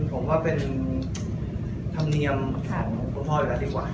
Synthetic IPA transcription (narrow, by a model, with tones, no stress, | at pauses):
npʰo˨˩˦mwaː˥˩pe˧n | t̪ʰa˧mni˧əmkʰaː˨˩ŋ˧ko˧˦tʰɔː˥˩jla˧˥˩diː˧˩kwaː˨˩